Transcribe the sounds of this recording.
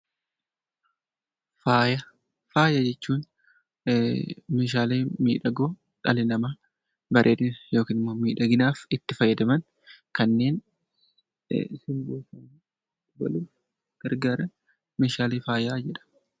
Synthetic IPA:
faːjɐ | faːjɐd͡ʒɛt͡ʃːuːn | meːʃaːleːmiːᶑɐɡoː | ᶑɐlɪnɐma | bɐɾʔeːᶑ̪ɪnjo̞ːkiːnɪmːoːmiːᶑɐɡɪnaːfɪt̪ːɪfɐjːɐd̪ɐmɐn | kɐnːe̞ːn | sɪmboːsɐn | t̪ːbɐ̰luː | ɡ̥ɐɾɡaːɾɐ | meːʃaːleːfaːjaːd͡ʒɛᶑɐ̥

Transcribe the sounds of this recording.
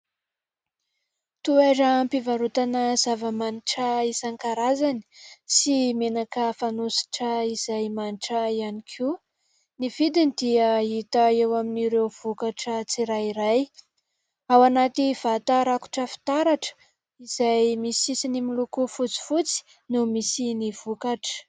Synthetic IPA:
t̪uaɾəmpivaɾut̪anəz̥avəmaniʈ͡ʂəisaŋkaɾazani̥simenakəfanusi̥ʈ͡ʂəiz̥ajmaniʈ͡ʂəianikʰu | niv̥id̪ind̪iəit̪aewaminiɾewv̥ukaʈ͡ʂət͡siɾaiɾaj | awanat̪iv̥at̪aɾaku̥ʈ͡ʂəfi̥t̪aɾaʈ͡ʂə̥ | iz̥ajmisisinimilukufut͡si̥fut͡si̥ | numisiniv̥ukaʈ͡ʂə̥

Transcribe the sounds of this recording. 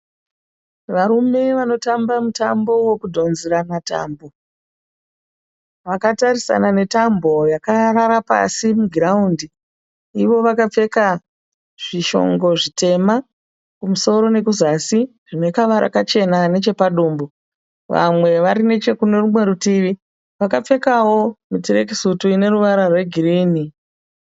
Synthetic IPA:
ʋaɾume̞ʋano̞tambamutambo̞we̞kudʱo̞nziɾanata̰ːmbo̞ | ʋakatarisa̰nane̞tambo̞jakaɾaɾapa̰simuɡʱraundi | iʋo̞ʋakap͡fe̞ka | ʐ̥iʃo̞̰ŋɡo̞ʐite̞ma | kumuso̞ɾo̞ne̞kuzasi | ʐ̥ine̞kaʋaɾʔa̰kat͡ʃe̞nane̞t͡ʃe̞paɗuːmbu | ʋa̰mwe̞ʋaɾine̞t͡ʃe̞kune̞rumwe̞ɾutiʋi | ʋakap͡fe̞kawo̞mitire̞ki̥sutuine̞ɾuʋaɾarwe̞ɡʱiriːni

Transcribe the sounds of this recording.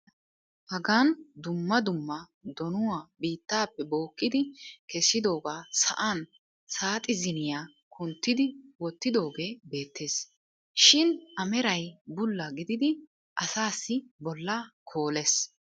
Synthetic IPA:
hɐɡaːnd̪ʊmːɐd̪ʊmːɐ | d̪ɔnʊwaːbiːt̪ːaːpːɛbo̞ːkːɪd̪ɪkɛsːɪd̪o̞ːɡaːsɐ̰ʔan | saːt̪ʼɪzɪnɪjaː | kʰʊnt̪ːɪd̪ɪwɔt̪ːɪd̪o̞ːɡe̞ːbe̞ːt̪ːe̞ːs | ʃɪnʔɐmɛɾɐjbʊlːɐɡɪd̪ɪd̪ɪ | ʔɐsaːsːɪbɔlːɐkʰoːles

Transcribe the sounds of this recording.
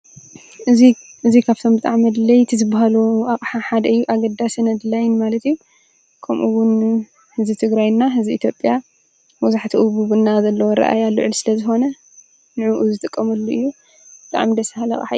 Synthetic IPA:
ʔɨi | ʔɨzikʰaβt̪ʰo̞mbɨt̪ʼaʕmɐd̪lɐjt̪ʰizɨbaɦaluakʼħaħad̪ɐɨjːuʔaɡɐd̪ːasɨnɐd̪lajnmalɐt̪iju | kʰɐmʔuwʊn | hɨzbit̪ʰɨɡɾajnːaɦɨzbiit̪ʰjo̞pʼja | mɔzaħt̪ʰiʔuβuβɨnːazɐlːɐwɔɾɐ̰ʔa̰jalːṵʕɨlsɨlɐzɨxo̞nɐ | nɨʕuʔuzɨt̪ʼɨkʼːɐmɐlːuʔɨjːu | b̥ɨt̪ʼa̰ʕmid̪ɐsahalɐ̰xʼħa̰

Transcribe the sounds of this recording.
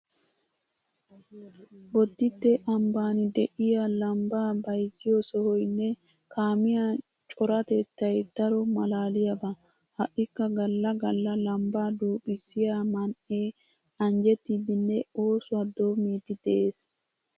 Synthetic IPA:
bɔd̪ːɪt̪ːeʔɐmbaːnɪd̪ɛʔɪjalɐmbaːbɐjd͡ʒɪjɔsɔhɔjnːɛ | kaːmɪja | t͡ʃʼɔɾɐt̪ɛt̪ːɐjt̪ːɐɾɔmɐlaːlɪjɐbɐ | hɐʔɪkːɐɡɐlːɐɡɐlːɐlɐmbaːd̪uːpʼɪsɪjaːmɐnʔeː | ɐnd͡ʒɛt̪ːid̪ɪnːɛo̞ːswɐd̪oːmeːt̪ːɪd̪̥ɛʔeːs

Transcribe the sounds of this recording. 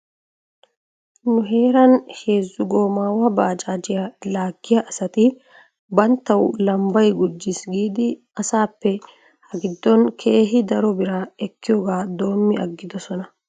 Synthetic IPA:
nʊɦe̞ːɾɐnhe̞ːzːʊɡo̞ːmaːwɐbaːt͡ʃaːd͡ʒɪjɐlaːɡːɪjɐʔɐsɐt̪ɪ | bɐnt̪ːɐwlɐmbɐjɡʊd͡ʒːɪsɡiːd̪ɪ | ɐsaːpːɛ | hɐɡɪd̪ːɔnkʰe̞ːɦɪd̪ɐɾɔbɪɾɐɛkːɪjɔɡaːd̪o̞ːmːɪɐɡːɪd̪ɔsɔnɐ

